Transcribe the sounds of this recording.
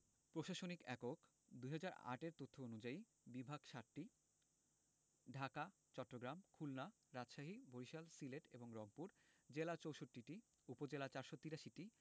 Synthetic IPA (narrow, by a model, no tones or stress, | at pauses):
pɾoʃaʃonikɛkok | d̪uɦad͡ʑaɾa̰ʈeɾt̪ot̪ʰːoonud͡ʑai | bibʱaɡʃaʈːi | ɖʱaka | t͡ɕɔʈːɾoɡɾamkʰulna | ɾad͡ʑʃaɦibʱoɾiʃalsileʈḛboŋɾɔɡpuɾd͡ʑelat͡ɕowʃoʈːiʈi | upod͡ʑelat͡ɕaɾʃot̪iɾaʃiʈi